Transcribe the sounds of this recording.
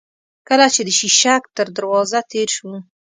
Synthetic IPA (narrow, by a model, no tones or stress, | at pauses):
kəlat͡ʃed̪əʃiʃak̚t̪əɾd̪əɾwɑzat̪eɾʃuu